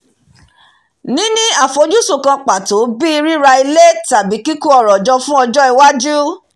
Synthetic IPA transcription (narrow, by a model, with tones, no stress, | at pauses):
nĩ˦nĩ˦a˦˨fo˨˧d͡ʒu˦su˦˨kã˧k͡pa˨to˨˦bi˦i˧ɾi˦ɾa˧i˧le˦ta˨bi˨˦ki˦ku˦ɔ˦˨ɾɔ˨d͡ʒɔ˧fũ˦ɔ˧d͡ʒɔ˦i˧wa˦d͡ʒu˦